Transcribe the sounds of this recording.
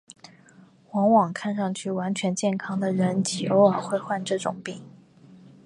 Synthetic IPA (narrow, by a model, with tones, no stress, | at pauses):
xwɑ˧˥ŋwɑ˨˩ŋkʰa˥˧nʂɑ˥˧ŋt͡ɕʰy˥˩wa˧˥nt͡ɕʰɥɛ˧˥nt͡ɕjɛ˥˩nkʰɑ˥ŋd̪ə˨ɻə˧˥nt͡ɕʰi˨˩o˧˥ʊə˨˩xwe˥˧ɪxwa˥˧nʈ͡ʂɤ˥˩ʈ͡ʂʊ̰˨˩ŋpi˥˩ŋ